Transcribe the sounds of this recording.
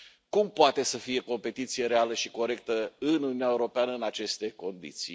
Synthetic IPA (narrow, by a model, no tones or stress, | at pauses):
kumpoat̪e̞səfije̞ko̞mpe̞t̪it̪sije̞ɾe̞aləʃi̥ko̞ɾe̞k̚t̪əɨnununijaewɾo̞peanəɨnat͡ʃe̞st̪e̞ko̞nd̪ḭt̪sḭ